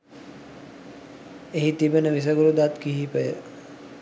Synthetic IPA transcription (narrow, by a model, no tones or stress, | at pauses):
eɦit̪ibənəʋis̬əɡuɾud̪at̪kiɦipəjə